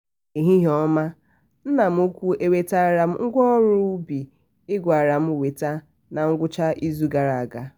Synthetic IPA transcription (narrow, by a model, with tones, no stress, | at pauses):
i˨ɦi˦ɦɔ˦ma˦ | n̩˦na˨m̩˦u˦kʷu˦e˦we˦ta˦a˨ɾa˨m̩˦ŋ̩˦ɡʷɔ˦ɔ˦ɾʊ˦bi˨ | ɪ˦ɡʷa˨a˨ɾa˨m̩˦˨we˨ta˦ | na˨ŋ̩˦ɡʷʊ˦t͡ʃa˦ʔi˦zu˦ɡa˨ɾa˨a˨ɡa˦